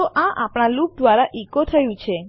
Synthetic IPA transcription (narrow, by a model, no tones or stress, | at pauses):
oʔãʔapɳ̃alup̚d̪ʋaɾaʔikot̪ʰəjũt͡ʃʰe